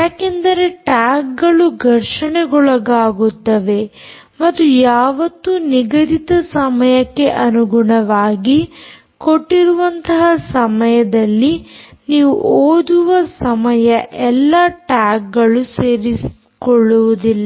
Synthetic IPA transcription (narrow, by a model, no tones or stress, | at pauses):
jaːkend̪ɐɾe̞ʈaːk̚ɡɐɭuɡʱɐɾʂɐɳeɡɔɭɐɡaːɡut̪ːɐʋe̞ | mɐt̪ːujaːʋɐt̪ːuniɡɐd̪it̪ɐsɐmɐjɐkːe̞ʔɐnuɡuɳɐʋaːɡi | koʈːiɾuʋɐnt̪ɐɦɐsɐmɐjɐd̪ɐlːiniːʋuʔoːd̪uʋɐsɐmɐjɐʔɛlːɐʈaːk̚ɡɐɭuseːɾis | kɔɭːuʋud̪ilːɐ